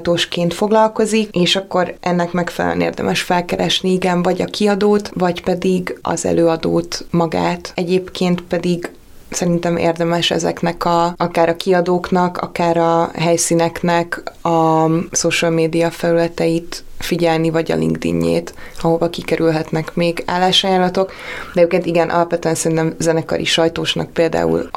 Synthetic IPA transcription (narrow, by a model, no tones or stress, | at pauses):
t̪oːʃkeːnt̪fo̞ɡlɒlko̞zikeːʃɒkːo̞ɾɛnːɛkmɛkfɛlɛ̰l̰nḛːrd̪ɛ̰mʔɛʃfɛlkɛɾɛʃniiɡɛɱvɒɟɒkʰiɒd̪oːt̪vɒcpɛd̪iɡɒ̰zɛ̰løːɒd̪oːt̪mɒɡa̰ːt̪ɛɟeːpkeːnt̪pɛd̪iɡ | sɛɾint̪ɛmḛːrd̪ɛmɛʃɛ̰zɛ̰knɛkɒɒkaːɾɒkiɒd̪oːknɒkɒ̰kaːɾɒɦɛjsiːnɛknɛkɒsoʃəlmeːd̪ijɒfɛlylɛt̪ɛjit̪fiɟɛlnivɒɟɒ̰lḭŋɡd̪ḭɲːḛːt̪ | ɒɦo̞vɒkikɛɾylɦɛt̪nɛkmeːɡa̰ːlːaːʃɒjaːlːɒt̪o̞k | d̪ɛjøpkeːnt̪iɡɛnʔɒ̰lɒpʋɛt̪yɛnsɛɾint̪ɛmzɛnɛkɒ̰ɾʔḭʃɒjt̪oːʃnɒ̰k̚peːld̪a̰ːṵl